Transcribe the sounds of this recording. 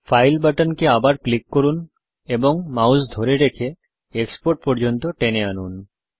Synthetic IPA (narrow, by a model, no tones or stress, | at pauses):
fʰajlbaʈənkeabaɾklikːoɾun | eboŋmawsd̪ʱoɾeɾekʰe | ekspoɾʈ̚pɔɾd͡ʑont̪oʈeneanun